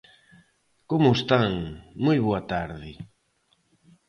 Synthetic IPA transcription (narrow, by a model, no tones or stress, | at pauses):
komʊst̪aŋmojβoɐt̪aɾðɪ